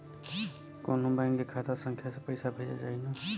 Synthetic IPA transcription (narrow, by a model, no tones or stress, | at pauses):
koːnõbaŋɡekʰat̪asə̃ŋkʰjasepəɪsabʱeːd͡ʒa̰d͡ʒaːina